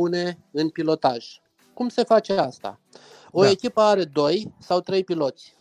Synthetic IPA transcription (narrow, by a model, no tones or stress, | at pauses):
une̞ɨnpilo̞t̪aʒ̥ | kumse̞fat͡ʃe̞ast̪a̰ | o̞e̞kʲipəaɾe̞d̪o̞jsawt̪ɾe̞jpilo̞t̪sʲ